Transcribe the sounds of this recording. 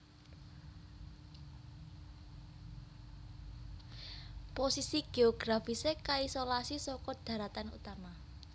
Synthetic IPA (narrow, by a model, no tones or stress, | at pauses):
posisiɡ̥eoɡ̥ɾafisekaisolasisɔkɔd̪̥ä̤ɾat̪anṵt̪ama